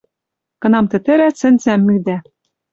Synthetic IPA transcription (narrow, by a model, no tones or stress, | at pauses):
kɤ̆nɑmt̪ɘ̆t̪ɘ̆ɾæt͡sɘ̆nt͡sæmːyd̪æ